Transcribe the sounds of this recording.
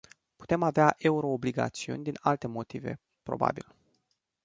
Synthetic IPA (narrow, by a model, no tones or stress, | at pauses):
pu̥t̪e̞maveaʔe̞uɾo̞ːbliɡa̰t̪siṵnʲd̪inalt̪e̞mo̞t̪ive̞̰ | pɾo̞̰ba̰bḭl